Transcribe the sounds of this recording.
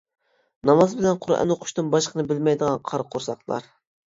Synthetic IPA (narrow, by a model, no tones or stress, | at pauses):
nɑmɑzbɪlɛnqʰʊɾɛ̰noqʰʊ̥ʃt̪ɨnbɑʃqʰənɨbɪlmɛjd̪əʁɑnqʰɑɾqʰoɾsɑχlˠɑ̰ɾ